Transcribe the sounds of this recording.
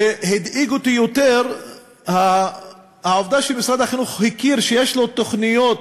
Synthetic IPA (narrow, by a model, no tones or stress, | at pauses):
ehid̪iɡot̪ijot̪eʁ | ha | haovd̪aʃelmisʁad̪haχinuχhikiɾʃejeʃlo̞t̪oχnijot̪